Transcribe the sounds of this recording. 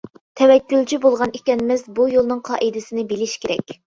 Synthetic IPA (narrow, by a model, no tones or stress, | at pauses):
t̪ʰɛvɛkʲːylt͡ʃʰibolˠʁɑnekʲɛnɪmɪzbujolˠnɨŋqʰɑ̰ʔid̪ɪsɪnɪbelɪʃkʲeɾɛ̰kʲ